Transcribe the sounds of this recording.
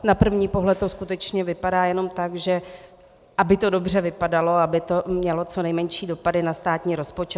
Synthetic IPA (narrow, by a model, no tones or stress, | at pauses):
napr̩vɲiːpo̞ɦlɛt̪ːo̞skut̪ɛt͡ʃɲɛvɪpadaːjɛno̞mt̪aɡʒɛ | ʔabɪt̪o̞do̞br̝ɛvɪpadalo̞abɪt̪o̞mɲɛlo̞t͡so̞nɛjmɛɲʃiːdo̞padɪnast̪aːt̪ɲiːɾo̞spo̞t͡ʃɛ